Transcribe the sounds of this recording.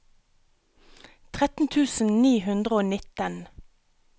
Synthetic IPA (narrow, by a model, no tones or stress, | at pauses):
t̪ʰʁɛt̪n̩t̪ʰʉːsn̩niːhʉnd̪ʁəoːnɪt̪ən